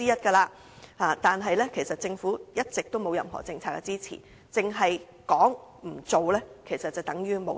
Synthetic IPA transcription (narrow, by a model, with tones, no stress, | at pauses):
iː˥jɐ˥t̚kɐː˧laː˧ | haː˨˧t̪aː˨nɦɐ˨jlɛː˥kʰe˨˩jsɐ˨t̚t͡sɪ˧ŋfuː˨˥jɐ˥t̚t͡sɪ˨k̚t̪o˥wmo˨˧wjɐ̰˨mɦɔ̰˨˩t͡sɪ˧ŋt͡sʰaː˧k̚ːɛ˧t͡siː˥t͡sʰḭː˨˩ | t͡sɪ˨ŋɦɐ˨j | kɔː˨˥ŋm̩˨˩t͡so˨wlɛː˥kʰe˨˩jsɐ˨t̚t͡sɐ˨wt̪ɐ˨˥ŋjyː˥mo˨˧˥